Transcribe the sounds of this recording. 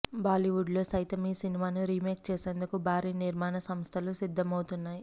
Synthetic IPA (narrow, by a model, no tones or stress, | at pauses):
baːliʋuɖlo̞ːsɐjt̪ɐmiːsinimaːnuɾimeːk̚t͡ʃeːse̞ːnd̪ukubʱaːɾiːniɾmaːnɐsɐmst̪ʰɐlusid̪ʱːɐmɐwt̪unːaːji